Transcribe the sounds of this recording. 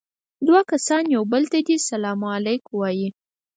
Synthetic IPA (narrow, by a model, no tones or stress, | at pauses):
d̪wakasɑnjawbəlt̪ad̪isalɑmalajkwɑji